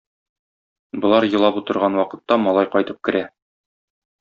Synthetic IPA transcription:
bŏlˠɑɾjɤ̆lˠɑput̪ɤ̆ɾʁɑnwɒqɤ̆t̪ːɑmɒlˠɑjqɒjt̪ɤp̚kɘ̆ɾæ

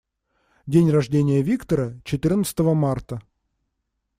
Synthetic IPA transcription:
dʲenʲrɐʐdʲenʲɪjəvʲikt̪əɾət͡ɕɪt̪ɨrnət̪sə̥t̪əvəmart̪ə

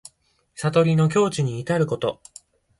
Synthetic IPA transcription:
sat̪o̞ɾʲino̞k̬ʲo̞ːt͡ɕiɲ̟iːt̪aɾɯ̟ko̞t̪o̞

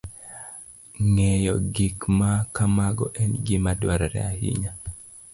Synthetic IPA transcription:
ŋɛjɔɡikmakamaɡɔʔɛnɡimadwaɾɾɛ̰ahḭɲa

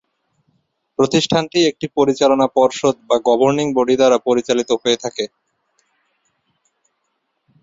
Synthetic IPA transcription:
pɾot̪iʃʈʰanʈiek̚ʈipoɾit͡ɕalonapɔɾʃod̪baɡɔbʱoɾniŋboɖid̪aɾapoɾit͡ɕalit̪oɦojet̪ʰake

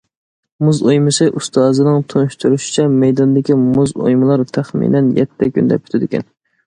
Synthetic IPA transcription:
muzojmɨsɨʔust̪ɑːzɨnɨŋt̪ʰonʃt̪ʰuɾuʃi̥t͡ʃʰɛmɛjd̪ɑnd̪ɪkʲimuzo̰jmɨlˠɑɾt̪ʰæχmḭːnɛnjɛ̰t̪ʰːɛkʲy̰nd̪ɛ̰p̚ʲʰy̥t̪ʰɪd̪ɪkʲɛ̰n

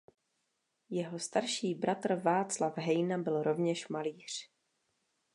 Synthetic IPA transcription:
jɛɦo̞st̪aɾʃiːbɾʔat̪r̩vaːt͡slafɦɛjnabɪlɾo̞vɲɛʃmaliːr̝̥

